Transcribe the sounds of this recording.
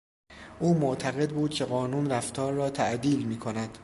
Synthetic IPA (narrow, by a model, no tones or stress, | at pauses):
ʔuːmoʔt̪ʰæɣe̞d̪buːd̪̥̚cʲʰe̞ɢɒːnuːnræft̪ʰɒːɾːɒːt̪ʰæʔd̪iːlmiːkʰonæd̪̥